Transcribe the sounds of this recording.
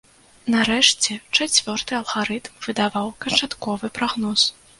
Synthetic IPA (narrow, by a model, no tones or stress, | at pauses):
naɾɛʂt͡sʲɛt͡ʂat͡sʲvʲɔrt̪ɨɐlˠɣaɾɨt̪mv̥ɨd̪avawkɐnt͡ʂat̪kɔvɨpɾaɣnɔs